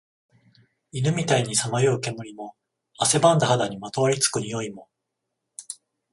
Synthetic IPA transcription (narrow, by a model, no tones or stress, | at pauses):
inɯ̟mʲit̪aiɲ̟isamajoɯke̞mɯɾʲimo̞ | ase̞bãnd̪ahad̪aɲ̟imat̪o̞aɾʲit͡sɨ̥kɯ̟ɲ̟ijo̞imo̞